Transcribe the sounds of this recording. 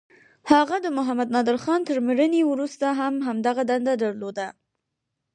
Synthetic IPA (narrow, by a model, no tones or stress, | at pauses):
haɣad̪əmʊɦamad̪nɑd̪ɪɾxɑnt̪əɾmɾənewɾust̪aɦamɦamd̪aɣad̪and̪ad̪əɾlod̪a